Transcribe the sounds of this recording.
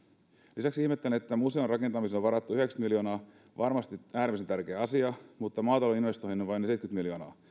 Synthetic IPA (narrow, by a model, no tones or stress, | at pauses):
lisæksihmet̪ːæleet̪ːæmuse̞onrɑke̞nt̪ɑmisenoʋʋɑɾɑt̪ːuyhe̞kst̪miljo̞ːnɑː | ʋʔɑrmɑst̪iæːɾimiset̪ærkeːɑsiɑmut̪ːɑmɑːt̪ɑloinʋe̞st̪oinoʋɑinesejt̪kyt̪miljo̞ːnɑ̰ː